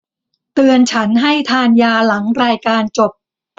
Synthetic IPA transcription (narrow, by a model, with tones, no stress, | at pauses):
t̪ɯ˧ənt͡ɕʰa˦˥nɦa˥˩jt̪ʰaː˧njaː˧la˩˦ŋɾaː˧jkaː˧nt͡ɕo˨˩p̚